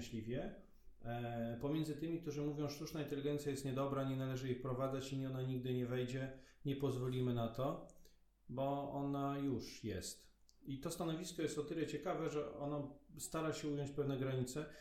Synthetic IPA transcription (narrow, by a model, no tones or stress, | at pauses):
ɕlʲivʲjɛ | pɔmʲjɛndzɘt̪ɘmʲik̚t̪uʐɘmuvʲjɔ̃w̃ʂt̪uʂnaint̪ɛlʲiɡɛnt̪sʲjajɛst̪ɲɛd̪ɔbɾaɲɛnalɛʐɘjixpɾɔvad̪zat͡ɕiɲɛɔnaɲiɡ̚d̪ɘɲɛvɛjd͡ʑɛɲɛpɔzvɔlʲimɘnat̪ɔ | bɔɔnajuʂjɛst̪ | it̪ɔst̪anɔvʲiskɔjɛst̪ɔt̪ɘlɛt͡ɕɛkavɛʐɛɔnast̪aɾaɕɛujɔɲt͡ɕpɛvnɛɡɾaɲit̪sɛ